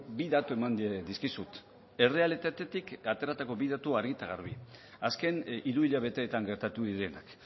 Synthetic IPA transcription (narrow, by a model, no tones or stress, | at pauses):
biðat̪ue̞mand̪ed̪iskisut̪ | e̞re̞ale̞t̪at̪e̞t̪ikat̪e̞ɾat̪ako̞βiðat̪uaɾɣit̪aɣaɾβ̞i | aske̞niɾuiʎaβe̞t̪e̞ːt̪aŋɡe̞ɾt̪at̪uðiɾe̞nak